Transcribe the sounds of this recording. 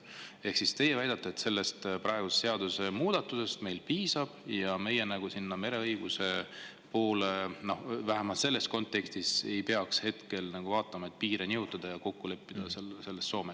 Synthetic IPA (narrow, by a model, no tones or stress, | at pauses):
e̞hksist̪e̞jevæjd̪ɑt̪ːˑeːt̪se̞lːe̞st̪prɑe̞ɡ̥use̥seɑd̪use̞muːd̪̥ɑt̪ːˑuse̞st̪me̞jlpiːsɑb̥jɑme̞jenæɡ̥usinːɑme̞ɾe̞ɤjɡ̥use̞ | po̞ːleno̞hvæɦemɑlt̪se̞lːe̞st̪̚ko̞nt̪ːˑe̞kst̪ise̞jpe̞ɑkshe̞t̪ke̞lnɑɡ̥uvɑːt̪ːˑɑmɑe̞t̪̚piːɾeniut̪ːˑɑd̪̥ɑjɑko̞kːule̞pːid̪̥ɑsese̞lːe̞st̪so̞ːme